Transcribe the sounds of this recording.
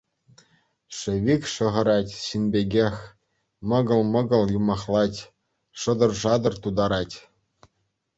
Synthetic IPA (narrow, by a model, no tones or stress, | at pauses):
ʂɘ̆ʋʲikʲʂɤ̆ʁɤ̆ɾɑtʲɕinʲbʲeɡʲexʲ | mɤ̆ɡɤ̆lˠmɤ̆ɡɤ̆lˠjumɑχlˠɑtʲ | ʂɤ̆d̪ɤ̆rʐɑd̪ɤ̆rt̪ud̪ɑɾɑtʲ